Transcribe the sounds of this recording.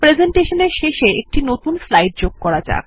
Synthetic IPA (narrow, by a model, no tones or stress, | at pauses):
pɾed͡ʑeɳʈeʃoneɾʃeʃeek̚ʈinot̪unslajɖ̚d͡ʑoɡ̚kɔɾad͡ʑa̰